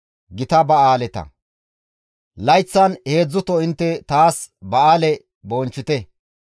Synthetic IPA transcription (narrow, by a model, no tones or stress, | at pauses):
ɡɪt̪ɐbɐaːlɛt̪ɐ̰ | lɐjt͡sːɐnhe̞ːd͡zːʊt̪ɔɪnt̪ːɛt̪aːsbɐaːlɛ | boːnt͡ʃːɪt̪ɛ